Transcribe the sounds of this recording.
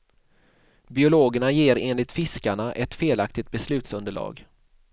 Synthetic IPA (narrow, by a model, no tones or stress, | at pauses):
bɪʊloːɡəɳajeːɾeːnlɪt̪fɪskaɳaʔɛt̪feːlak̚t̪ɪt̪̚bɛslʉ̟ːt̪sɵnd̪əɭɑ̰ːɡ